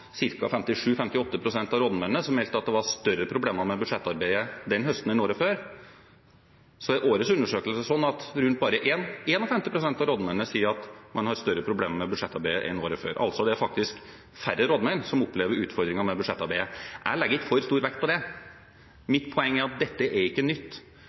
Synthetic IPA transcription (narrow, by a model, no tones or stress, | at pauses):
sɪɾkɑfɛmt̪ɪʂʉːfɛmt̪ɪɔt̪ːəpʰɾʊsɛnt̪ɑʋɾoːd̪mɛnːəsɔmːɛlt̪əɑt̪̚d̪ɛʋɑɾst̪œɾəpʰɾʊbleːməmɛbʉd̪ʂɛt̪ːɑɾbæɪəd̪ɛnːhœst̪n̩ɪnoːɾɔføːɾ | sɔʔoːɾəsʉnːəʂøːkəlsəsɔnːɑt̪ɾʉnt̪̚bɑːɾəʔeːneːnɔfɛmt̪ɪpʰɾʊsɛnt̪ɑɾoːd̪mɛnnəsiːəɾɑt̪mɑnhɑɾst̪œɾːəpʰɾʊbleːmmɛbʉd̪ʂɛt̪ːɑɾbæɪəʔɛ̰noːɾɔfø̰ːɾʔɑ̰lt̪sɔd̪ɛæɾfɑk̚t̪ɪsk | fæɾːəɾɔd̪mæɪnsɔmɔpːleːʋəɾʉːt̪fɔɾd̪ɾɪŋɑmɛbʉd̪ʂɛt̪ːɑɾbæɪəʔæɭɛɡːəɪt̪fɔɾst̪uːɾʋɛk̚t̪pʰɔd̪ɛ | mɪt̪pʰɔɛŋːæɾɑt̪̚d̪ɛt̪ːəʔɛɾɪkːənʏt̪ː